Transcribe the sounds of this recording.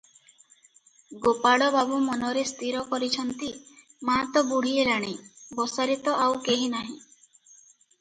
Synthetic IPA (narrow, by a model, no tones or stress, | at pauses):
ɡopaɽɔbabumɔnɔɾest̪ʰiɾɔkɔɾit͡ʃʰɔnt̪i | mat̪ɔbuɽ̤ielaɽ̃ibɔsaɾit̪ɔʔawkeɦinaɦĩ